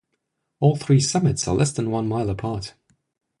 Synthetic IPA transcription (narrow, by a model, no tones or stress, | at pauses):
ɔːlˠθɹiːsʌmɪtsə̰lɛsðə̃nwʌ̃nmaɪlˠəpʰɑˑt